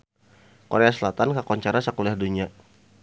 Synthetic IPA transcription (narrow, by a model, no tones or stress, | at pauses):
koɾeasəlat̪ankakɔɲt͡ʃaɾasakuliahduɲia